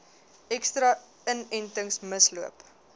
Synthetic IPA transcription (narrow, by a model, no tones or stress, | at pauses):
ɛkstɾɐ | ənɛntəŋsməsluəp